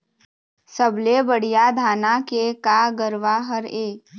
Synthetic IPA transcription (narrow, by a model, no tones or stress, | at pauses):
səblebəɽ̤ijad̪ʱaːnakekaɡəɾʋaɦəɾeː